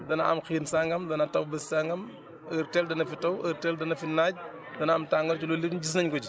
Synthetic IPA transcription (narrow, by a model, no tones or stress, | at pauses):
dɐnɐɐ̰mxiːnsaŋɡɐmdɐnɐtɐwbɛssaŋɡɐm | əɾtɛldɐnɐfitɐwʔəɾtɛldɐnɐfinaːɟ̚ | dɐnɐːmtaŋɡɐlt͡ʃulɔlinɟis̬nɐɲkɔd͡ʒi